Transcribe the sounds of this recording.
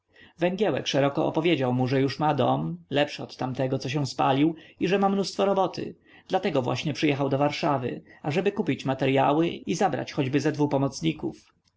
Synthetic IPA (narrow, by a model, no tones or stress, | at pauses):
vɛŋɡʲjɛwɛ̰kʂɛɾɔkɔɔ̰pɔvʲjed͡ʑawmuʐɛjuʂmad̪ɔmlɛpʂɛɔt̪ːamt̪ɛɡɔt̪sɔɕ̬ɛ̃w̃spa̰lʲiwiʐɛmamnust̪fɔɾɔbɔt̪ʰɘ̰ | d̪̥lat̪ɛɡɔvwa̰ɕɲɛpʂɨjɛxawd̪ɔvaɾʂavɘ̰aʐɛbɘkupʲit͡ɕmat̪ɛɾjawɘizabɾa̰t͡ɕxɔd͡ʑbɘzɛd̪vupɔmɔt̪sɲikṵf